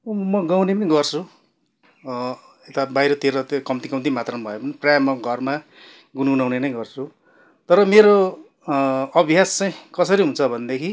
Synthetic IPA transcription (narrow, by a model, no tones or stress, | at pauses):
mʌɡawnepʌniɡʌrt͡sʰu | et̪abajɾʌt̪ʰiɾʌt̪okʌmt̪ikʌmt̪̬imat̪rʌmbʱʌjopʌniprjajmʌɡʱʌrma | ɡunɡunawnenʌjɡʌrt͡sʰu | t̪ʌɾʌmeɾo | ʌbʱjast͡saĩkʌsʌɾiɦũnt͡sʰʌbʱʌnd̪ekʰi